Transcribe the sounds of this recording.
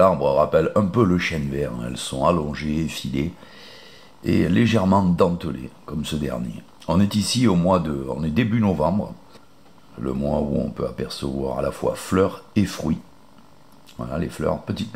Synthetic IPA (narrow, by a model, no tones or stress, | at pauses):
laʁbʁəʁapɛlɛ̃pøləʃɛnvɛʁ̰ɛ̰lsɔ̃alɔ̃ʒeːfile | ḛleʒɛʁmɑ̃d̪ɑ̃t̪əlḛkɔmsəd̪ɛ̰ʁnjḛ | ɔ̃nɛt̪isiomwad̪əɔ̰̃nɛd̪ebynɔvɑ̃bʁ | lə̰mwaṵɔ̰̃pøapɛʁsəvwa̰ʁa̰lafwa̰flœʁefχɥi | vwa̰la̰leflœ̰ʁpət̪it̪